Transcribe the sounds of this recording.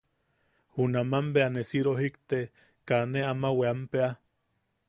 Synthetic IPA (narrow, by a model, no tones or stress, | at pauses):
hunamambeanesiɾoɦikt̪e | kaneamaweampea